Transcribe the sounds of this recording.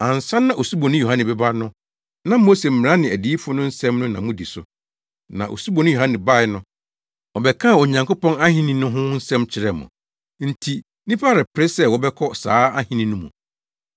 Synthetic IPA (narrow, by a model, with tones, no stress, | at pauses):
ã˨n̩˨sã˦nːã˨ʔo˨su˦bɔ˨nʊ̃˦ju˨hã˦nɪ̃˨bɛ˦ba˦nʊ̃˦ | nã˦mo˦se˨m̩˨ɪ̃˨ɾã˦nɪ̃˨æ˨di˦fʊ˦nʊ̃˦n̩˦sɛ̃˦mnʊ̃˦nã̰˨mʊ̃˦di˨sʊ̰˨ | nã̰˨ʔo̰˨su˦bɔ˨nʊ̃˦jo˨ɦã˦nɪ̃˨ba˦˨ɪ˨˦nʊ̃˦ | ɔ˨bɛ˨kʰã˦˨o˨ɲã˨ŋko˦pɔ̃˦na˦ɦɪ̃˦nĩ˦nʊ̃˦ɦʊ̃˦n̩˦sɛ̃˦mt͡ɕʰɪ˨ɾɛ˨mʊ̰̃˨ | n̩˨tʰi˨ | nĩ˦pa˦ɾɪ˨pʰɪ˨ɾɪ˦sɛ˦wɔ˨bɛ˦kʰɔ˦sa̰ː˨˦a˦hɪ̃˦nĩ˦nʊ̃˦mũ˨